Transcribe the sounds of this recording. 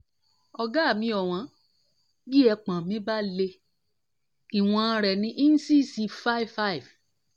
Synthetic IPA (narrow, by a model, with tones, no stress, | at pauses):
ɔ˧ɡa˦˨mĩ˧˦ɔ˨w̃ã˨˦ | bi˦ɛ˧k͡pã˨mĩ˨˦ba˦le˧ | i˨w̃ɔ̃˧˦ɾɛ˨nĩ˧˦ʔi˦n̩˦si˦˨si˧fa˦i˨vfa˦i˨v